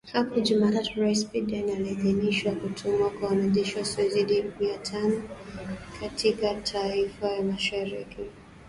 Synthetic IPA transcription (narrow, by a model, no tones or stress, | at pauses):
hapɔʄumaatuɹaispidanalɛʄɛniʃwakutʰumuwakwawanaʄɛʃiwasiɛzidimiatʰanɔ | kʰatʰikatʰaifajamaʃaɾiki